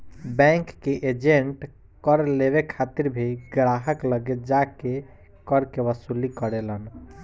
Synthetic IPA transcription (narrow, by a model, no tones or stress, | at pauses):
bɛ̃ŋkːeʔed͡ʒeɳʈ | kəɾleβekʰat̪iɾbʱeɡɾaɦəkləɡed͡ʒake | kəɾkeʋəsulikəɾelən